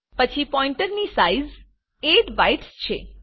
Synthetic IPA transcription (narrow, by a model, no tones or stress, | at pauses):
pət͡ʃʰipɔiɳʈəɾnisaiz | eʈbajʈst͡ʃʰḛ